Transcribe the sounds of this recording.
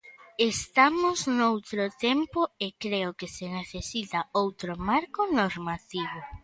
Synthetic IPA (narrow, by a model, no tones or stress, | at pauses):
est̪amʊznowt̪ɾʊt̪empʊekɾeʊkɪseneθesit̪ɐowt̪ɾomaɾkʊnoɾmat̪iβʊ